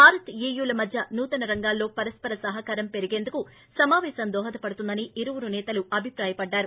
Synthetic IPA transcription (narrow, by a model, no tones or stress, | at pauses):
bʱaːɾɐt̪eːjuːlɐmɐd̪ʱjɐnuːt̪ɐnɐɾɐŋɡaːlːo̞ːpɐɾɐspɐɾɐsɐɦɐkaːɾɐmpe̞ɾiɡe̞ːnd̪uku | sɐmaːʋɛːsɐnd̪ɔːɦɐt̪ɐpɐɽut̪und̪ɐniiɾuʋuɾunɛːt̪ɐluɐbʱipɾaːjɐpɐɖːaːɾu